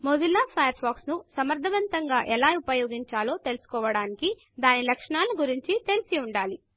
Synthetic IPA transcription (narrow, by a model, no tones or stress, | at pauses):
moːd͡ʒilːaːpʰɐːjɐɾpʰaːksnusɐmɐɾd̪ʱɐʋɐnt̪ɐŋɡaːʔɛlaːupɐjo̞ːɡiɲt͡ʃaːlo̞ːt̪e̞lusu̥kɔːʋɐɽaːniki | d̪aːnilɐkʂɐɳaːlːuɡuɾiɲt͡ʃit̪e̞lisiuɳɖaːli